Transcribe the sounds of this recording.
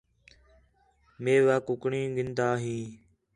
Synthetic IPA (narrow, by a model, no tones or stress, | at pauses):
meːʋaːkʊkɳĩːɡɪnd̪aːɦĩː